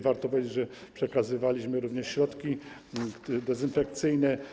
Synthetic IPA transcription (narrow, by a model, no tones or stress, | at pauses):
vaɾt̪ɔpɔvʲjed͡ʑed͡ʑʐɛpʂɛkazɘvalʲiɕmɘɾuvɲɛʂɕɾɔt̪kʲi | d̪ɛzɘnfɛk̚t̪sɘjnɛ